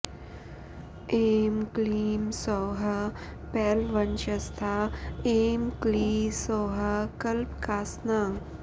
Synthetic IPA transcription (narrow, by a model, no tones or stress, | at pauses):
emkliːmsoːɦɐ | pɛːlʋɐnt͡ʃɐst̪ʰaeːmklisoːɦɐkɐlpkaːsna